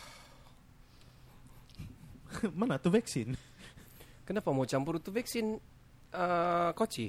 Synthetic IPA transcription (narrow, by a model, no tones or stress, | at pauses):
manat̪uvɛksɪn | kənapamot͡ʃampuɾut̪uvɛksɪn | əkot͡ʃi